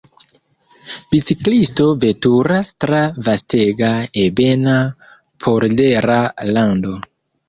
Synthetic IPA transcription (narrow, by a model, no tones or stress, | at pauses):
bit͡siklisto̞ve̞tuɾastɾavasteɡaebe̞na | pʰoɾdeɾalando̞